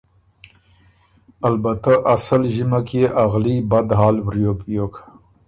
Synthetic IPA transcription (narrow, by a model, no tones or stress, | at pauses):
albat̪aʔasalʒimakʰeʔaɣlibad̪ɦɑːlwɾjokjokḁ